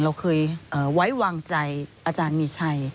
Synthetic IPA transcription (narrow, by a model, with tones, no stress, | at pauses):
ɾa˧wkʰɤː˧jʔɤː˨˩wa˦˥jwaː˧ŋt͡ɕa˧jʔaː˧t͡ɕaː˧nmiː˧t͡ɕʰa˧˩j